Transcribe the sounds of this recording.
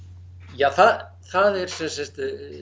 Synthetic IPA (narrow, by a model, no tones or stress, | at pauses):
jaːθað | θaðɛɾ̥sɛsɛst̪